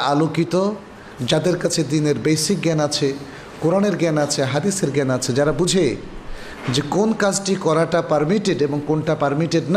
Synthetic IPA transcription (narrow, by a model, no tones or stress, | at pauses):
alokit̪o | d͡ʑad̪eɾkat͡ɕʰed̪ineɾbejsik̚ɡɛnat͡ɕʰe | koɾaneɾɡɛnat͡ɕʰeɦad̪iseɾɡɛnat͡ɕʰed͡ʑaɾabud͡ʑʱe | d͡ʑekonkad͡ʑʈikɔɾaʈapaɾmiʈeɖeboŋkonʈapaɾmiʈeɖn